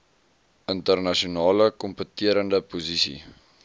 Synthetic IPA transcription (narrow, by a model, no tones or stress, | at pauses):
əntərnɐʃiunɑːləkɔmpətiəɾəndəpuzisḭ